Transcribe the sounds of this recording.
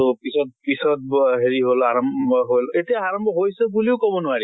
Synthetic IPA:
ɔpisɔt̚pisɔt̚bɦeɹiɦolaɹɔmbɔɦojletijaaɹɔmbʱɔɦojsɛbuliʊkɔbɔnʊwaɹi

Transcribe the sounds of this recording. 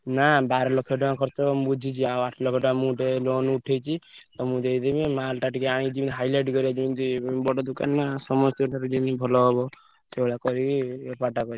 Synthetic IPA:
nabaɾɔlɔkʰjɔʈɔãkɔɾt̪ɔmbud͡ʒʱit͡ʃʰiãaʈʰlɔkʰɔɖãmũʈelonuʈʰejt͡ʃʰit̪ɔmũd̪eid̪ebẽmalʈaʈikeaɽ̃ĩd͡ʒib̪ɦajleʈkɔɾiat͡ʃʰĩnt̪ibɔɖɔd̪uka̰nmasɔmɔst̪jɔʈaɾd͡ʒinibʱɔlɔɦɔbɔ | seɭakɔɾipaʈakɔɾi

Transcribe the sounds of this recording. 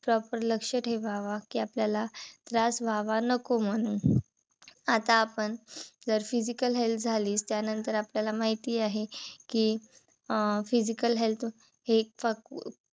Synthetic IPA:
pɾɔpəɾləkʂəʈɦebʱaʋakiːapljalat̪ɾasbʱaʋanəkom̤əɽ̃uːn | at̪aːpəɳd͡zəɾfid͡ʑikəlɦelt̪̚ʰd͡zʱaliːst̪janənt̪əɾapljalamaɦit̪iːaɦekiː | fid͡ʑikəlɦelt̪ | hefak

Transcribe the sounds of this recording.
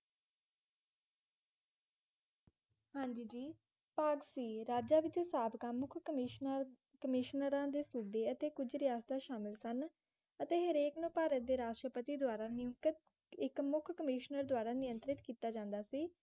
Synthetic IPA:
hãːɲd͡ʒiːd͡ʒiː | paːɡsiːɾaːd͡ʒaːʋɪt͡ʃsaːbkãːmʊkʰ | kəmɪʃnəɾãːd̪eːsuːbeːət̪eːkʊd͡ʒɾɪjaːst̪aːʃaːmɪlsən | ət̪eːɦəɾeːknõːpaːɾət̪̚d̪eːɾaːʃʈɾəpət̪iːd̪waːɾaːnɪjʊŋkət̪ | ɪkmʊkʰkəmɪːʃnəɾd̪waːɾaːnɪjə̃nt̪ɾɪt̪kiːt̪aːd͡ʒãːnd̪aːsiː

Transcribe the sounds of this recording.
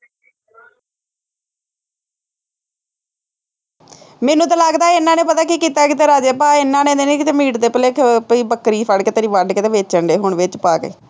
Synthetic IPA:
meːnũːt̪̬ãːlaɡd̪aːɪnãːneːpət̪aːkikiːt̪aːkit̪eːɾaːd͡ʒeːpaːɪnːãːnẽːd̪eːneːkɪt̪emiːʈd̪eːpəleːkpiːbəkːɾiːpʰəɽkeːt̪əɾiːʋəɖkeːt̪eːʋeːt͡ʃəɳɖeːɦʊɳʋɪt͡ʃpaːɡə̰ḭː

